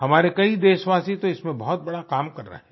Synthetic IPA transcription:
ɦɐmaːɾekɐid̪eːʃʋaːsit̪oɪsmẽbɐɦɔt̪̚bɐɽakaːmkɐɾːa̰ɦɛː

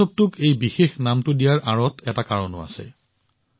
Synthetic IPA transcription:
ɔp̚tʊkejbixexnamtʊdijaɹʔaɹɔtʰɛtakaɹɔnʊ̰a̰sɛ̰

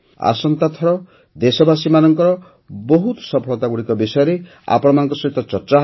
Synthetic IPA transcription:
a̰sɔnt̪at̪ʰɔɾɔ | d̪esɔbasimanɔŋkɔɾɔ | bɔɦut̪sɔpʰɔɭɔt̪aɡuɽikɔbisɔjɔɾe | a̰pɔɽɔmanɔŋkɔsɔɦit̪ɔt͡ʃɔɾt͡ʃaɦ

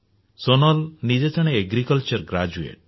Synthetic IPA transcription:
sonɔlnid͡ʒed͡ʒɔɽ̃eeɡɾikɔlt͡ʃɔɾɡɾad͡ʒuḛʈ̚

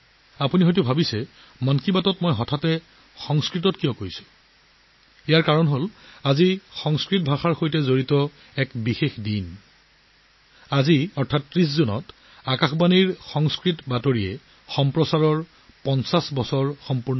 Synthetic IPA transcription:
apuniɦojt̬ʊbʱabisɛ | mɔnkibatɔtmɔjɦɔtʰatɛ | xɔŋskɹitɔtkijɔkojsʊ̥ | ɛjaɹkaɹɔnɦolazixɔŋskɹit̚bʱaxaɹxojtɛzoɹitɔ | ɛkbixexdin | aziɔɹtʰatːɹis̬zunɔ̰t | akaxbaniɹxɔŋskɹitbatoɹiɛ | xɔmpɹɔsaɹɔɹ | pɔnsasbɔsɔɹxɔmpuɹn

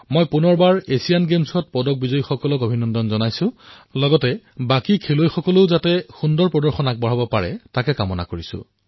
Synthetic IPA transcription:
mojpunɔɹbaɹesijanɡemsɔt̚pɔdɔk̚bizɔjixɔkɔlɔɡobʱinɔndɔnzɔnajsʊ̃lɔɡɔtɛbakikʰelojxɔkɔloʊzatɛxundɔɹpɹɔdɔɹxɔnak̚bɔɹ̤abɔpaɹɛ̰takɛkamɔna̰koɹisʊ̰̃

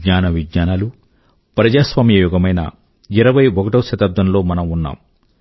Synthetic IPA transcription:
ɲaːnɐʋiɡɲaːnalu | pɾɐd͡ʒaːsʋaːmijɐjuɡɐmɐjnɐ̰ | iɾɐʋɐjokɐʈɐwʃɐt̪ɐb̚d̪ʱɐnlo̞ːmɐnɐmunːa̰ːm

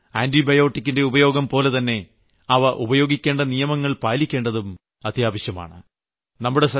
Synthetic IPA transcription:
aːndibɐjo̞ːʈːikʲːinde̞ubɐjo̞ːɡɐmpo̞ːle̞t̪ɐnːe̞ | ɐʋɐʔubɐjo̞ːɡikʲːe̞ːɳɖɐnijɐmɐŋːɐɭpaːlikʲːe̞ːɳɖɐðum | ɐt̪jaːʋɐɕjɐma̰ːɳɨ | nɐmːuɽe̞sɐ

